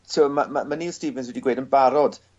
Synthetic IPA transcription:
tʰːmamamaniːstivənswɛdiɡweːjdənbaɾɔd̥

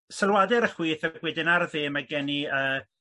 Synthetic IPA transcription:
səlˠwadɛɾəχwiːθəɡ̥wɛdɪnarðɪmaɡɛniəː

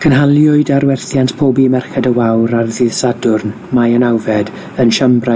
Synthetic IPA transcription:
kʰənɦalˠjʊɨdaɾwɛrθjantpʰoːbimɛrχɛdəwawɾarðɪðsadʊrn | majənawvɛd | ənʃambra

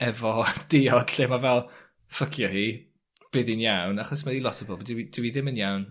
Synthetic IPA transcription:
ɛvɔd̥ɪɔd̥ɬeːmavɛlˠ | fəkʰjɔhiː | b̥ɪðɨnjawnaχɔsmaðilˠɔtʰəbɔlˠbdɪwid̥ɪwiðɪmənjawn

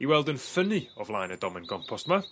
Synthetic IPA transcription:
iwɛlˠdənfəniɔvlˠajnədɔmɪ̃nɡɔmpʰɔstma

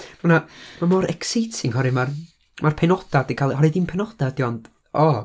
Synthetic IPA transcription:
manamamɔɾɛ̰ksitʰɪŋɦɔɾɪmar | marpʰɛnɔd̥adikʰalˠihɔɾidinpʰɛnɔd̥ad̥jɔnd̥ | ɔ

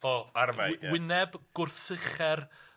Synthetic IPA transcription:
ɔarvajwɪnɛbɡ̥ʊrθəχɛr

